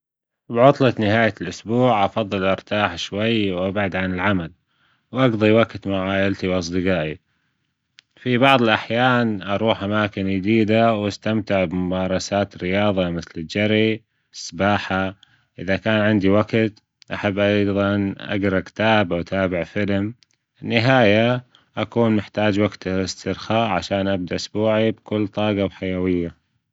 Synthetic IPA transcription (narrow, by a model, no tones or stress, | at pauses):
bʕʊt̪ˤlɑt̪nɪɦaːjalʔʊsbuːʕʔɑfɑðˤːɨlʔɑɾt̪aːħʃwajːwʔabʕad̪ʕanɪlʕamal | wʔɑɡðˤiwaɡt̪maʕaːʔɪlt̪iwʔɑs̬ˤd̪ɨɡɑaːʔi | fibɑʕðˤɪlʔaħjaːnʔɑɾˤuːħʔamaːkɪnjɪd̪iːd̪awast̪amt̪ɪʕbɪmʊmɑːɾˤɑsaːt̪ɾɪjɑːðˤɑmɪθlɪd͡ʒaɾi | sˤːbaːħa | ʔɪðakaːnʕɪnd̪iwaɡt̪ | ʔaħabːʔɑjðˤɑnʔa̰ɡɾˤɑkt̪aːbʔawt̪ʰaːbɪʕfɪlm | ɪnːɪɦaːja | ʔakuːnnɪħt̪aːd͡ʒwaɡt̪ɪst̪ɪɾxaːʔʕaʃaːnʔab̚d̪aʔʊsbuːʕibkʊlːt̪ˤɑːɡɑbħajawɪjːa